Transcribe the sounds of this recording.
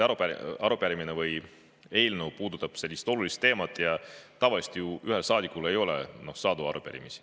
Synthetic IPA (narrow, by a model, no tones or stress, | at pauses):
ɑɾupæɑɾupeɾiminevɯj | e̞ːlnəwpuːd̪ut̪ːˑɑb̥se̞lʲːist̪o̞lulist̪ːe̞ːmɑt̪ːˑjɑt̪ɑvɑlist̪ijuʔyɦelsɑːd̪ikːˑule̞jo̞lḛno̞hsɑːd̪uɑ̰ɾupḛɾḭmisi̥